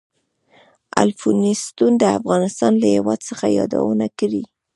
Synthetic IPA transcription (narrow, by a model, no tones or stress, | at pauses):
a̰lfunist̪und̪əafɣɑnɪst̪ɑnlajewɑd̪səxajɑd̪a̰wənakəɽi